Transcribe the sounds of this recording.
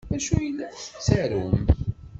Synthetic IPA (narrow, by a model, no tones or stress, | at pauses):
æʃujəlːæθə̥t͡sːæɾum